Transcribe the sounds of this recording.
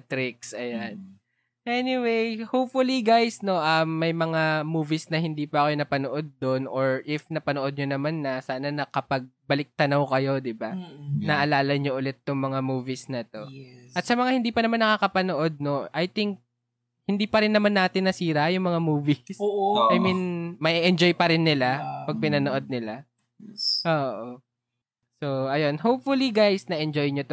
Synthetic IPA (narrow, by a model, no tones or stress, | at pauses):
t̪ɾɪk̚sʔɐjan | ʔɛnɪwejhowpfʊliɡajsno̞ʔɐmːɐjmɐŋamuːvisnɐhɪnd̪iːpɐʔɐkojonɐpɐnoʔo̞d̪̚ːonʔoɹʔɪfnɐpɐnoʔo̞d̪̚ɲonɐmanːɐsaːnɐnɐkɐpɐɡ̚bɐlɪk̚t̪ɐnɐwkɐjo̞d̪ɪbanɐʔɐlaːlɐɲoʔʊlɛt̪ːʊŋmɐŋamuːvɪsnɐt̪o̞ʔɐt̪̚sɐmɐŋahɪnd̪iːpɐnɐmanːɐkakɐpɐnoʔo̞d̪̚no̞ʔɐjt̪ɪŋk̚ | hɪnd̪iːpɐɾɪnːɐmanːaːt̪ɪnːɐsiːɾɐjʊŋmɐŋamuːvisoʔʔɐjminmɐʔiʔɛnd͡ʒo̞jpɐɾɪnːɪlapɐɡ̚pɪnɐnoʔo̞d̪̚nɪla | ʔoːʔo | so̞ʔɐjo̞nhowp̚fʊliɡajsnɐʔɛnd͡ʒojɲot̪o